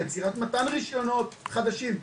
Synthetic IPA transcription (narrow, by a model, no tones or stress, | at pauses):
et͡siʁat̪mat̪anʁiʃjo̞no̞t̪χad̪aʃim